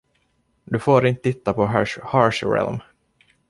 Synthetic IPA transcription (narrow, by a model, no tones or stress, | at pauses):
d̪ɵfoːɾɪnt̪ə̥t̪ʰɪt̪ːapɔɦhɑɹʂɾɛ̰lm